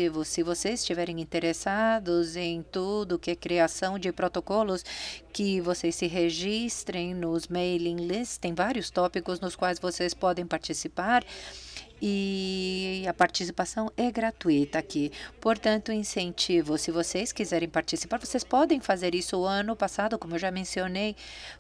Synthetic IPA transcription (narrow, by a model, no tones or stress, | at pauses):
ivʊsɪvosejzɪ̥st͡ʃivɛɾẽj̃ĩnt̪eɾesad̪ʊzẽj̃t̪ud̪ʊʊkɪɛkɾiasɐ̃w̃d͡ʒɪpɾot̪okɔlʊskɪvosejsɪɦeʒist̪ɾẽj̃nʊzmejlĩlist̪ẽj̃vaɾjʊst̪ɔpikʊznʊskwajzvosespɔd̪ẽj̃paɾt͡ʃisipaɾ | ɪ | ɐpaɾt͡ʃisipasɐ̃w̃ɛɡɾat̪uit̪ɐːkipoɾt̪ɐ̃nt̪ʊĩsẽnt͡ʃivʊsɪvosejskizɛɾẽj̃paɾt͡ʃisi̥paɾvosejspɔd̪ẽj̃fazeɾisʊʊɐ̃nʊpasad̪ʊkõmʊewʒamẽsionej